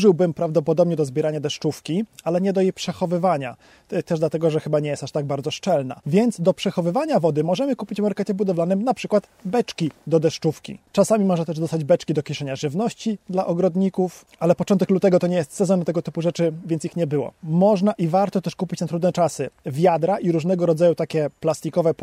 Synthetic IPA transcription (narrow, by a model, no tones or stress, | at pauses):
ʐɘwbɘmpɾavd̪ɔpɔd̪ɔbɲɛd̪ɔzbʲjɛɾaɲad̪ɛʂt͡ʂufkʲialɛɲɛd̪ɔjejpʂɛxɔvɘvaɲa̰ | t̪ɛʐd̪lat̪ɛɡɔʐɛxɘbaɲɛjɛst̪aʂt̪aɡ̚baɾd̪zɔʂt͡ʂɛlna̰vʲjɛnt̪sd̪ɔpʂɛxɔvɘvaɲavɔd̪ɘmɔʐɛmɘkupʲit͡ɕvmɔɾkɛt͡ɕɛbud̪ɔvlanɘmnapʂɘkwat̪bɛt͡ʂkʲid̪ɔd̪ɛʂt͡ʂufkʲḭt͡ʂasamʲimɔʐnat̪ɛʐd̪ɔst̪ad͡ʑbɛt͡ʂkʲid̪ɔkʲɛʂɛɲaʐɘvnɔɕt͡ɕid̪laʔɔɡɾɔd̪ɲikuf | alɛpɔtɔ̃nt̪ɛklut̪ɛɡɔt̪ɔɲɛjɛst̪sɛzɔnɛmt̪ɛɡɔt̪ɘpuʐɛt͡ʂɘvʲjɛnt̪sixɲɛbɘwɔ̰mɔʐnaʔivaɾt̪ɔt̪ɛʂkupʲit͡ɕnat̪ɾud̪nɛt͡ʂasɘvʲjad̪ɾaʔiɾuʐnɛɡɔɾɔd̪zajut̪akʲɛplast̪ʲikɔvɛ